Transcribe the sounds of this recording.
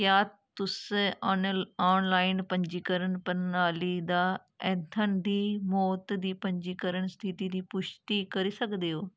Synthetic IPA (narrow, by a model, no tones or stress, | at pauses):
jat̪ʊs | aːnlaːɪnpɐ̃ɲd͡ʑiːkəɾəɽ̃̆pɐɾaːlid̪aː | ɛ̃ːt̪ʰɐnd̪iːmɔːt̪d̪iːpɐ̃ɲd͡ʑiːkɐɾəɽ̃st̪ʰit̪id̪iːpʊʃt̪ikɐɾesɐɡʱd̪eɦoː